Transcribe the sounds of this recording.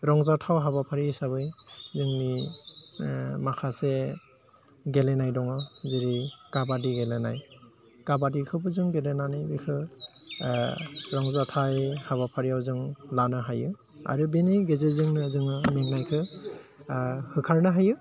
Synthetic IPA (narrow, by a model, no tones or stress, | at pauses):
ɾɔŋzatʰawɦaβapʰaɾisaβɯjzɯŋmi | makʰase | ɡelenajdɔŋɯziɾikabadiɡelenaj | kabadikʰɯbɯzɯŋɡelenanajbikʰɯ | ɾɔŋzatʰajhaβapʰaɾijawzɯŋlanɯɦajɯ | a̰ɾɯbenɯjɡezezɯŋnɯzɯŋɯmeŋnajkʰɯ | hɯkʰaɹnɯɦajɯ